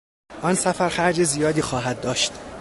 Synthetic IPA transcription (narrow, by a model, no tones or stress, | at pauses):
ʔɒnsæfæɾxæɾd͡ʒezijɒːd̪iːxɒːɦæd̪̚ːɒːʃt̪